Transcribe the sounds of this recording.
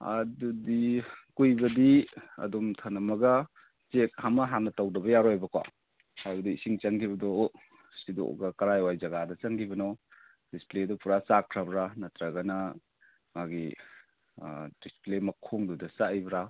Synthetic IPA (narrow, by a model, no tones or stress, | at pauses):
ɐ̰dudikujbɐdiɐ̰domtʰanɐmɐɡɐ | t͡ʃek̚hamɐɦanːɐtawdɐbɐjaɾɔjbɐkwa̰ | hajbɐdiisiŋt͡ʃaŋkʰibɐdɔ | sido̰ɡɐkɐɾajwajzɐɡadɐt͡ʃaŋkʰibɐnɔ | displedɔpuɾasakʰɾabɾanɐtɾaɡɐnɐ | maɡi | displemɐkʰoŋdɔdɐsaibɾa